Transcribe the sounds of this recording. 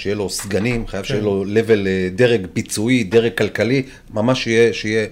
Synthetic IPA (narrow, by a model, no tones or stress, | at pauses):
ʃejelo̞sɡanimχajavʃejelo̞le̞ve̞ld̪e̞ʁeɡbit͡suid̪e̞ʁeɡ̚kalkali | mamaʃijeʃije